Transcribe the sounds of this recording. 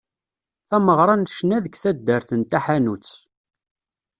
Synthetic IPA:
θæməʁɾˤɑnʃnæðəkθæd̪ːəɾθənt̪æħanut͡sː

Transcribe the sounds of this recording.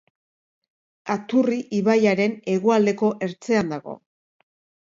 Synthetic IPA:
at̪uriʔiβajaɾe̞ne̞ɣoald̪e̞ko̞ʔe̞ɾt͡se̞and̪aɣo̞̰

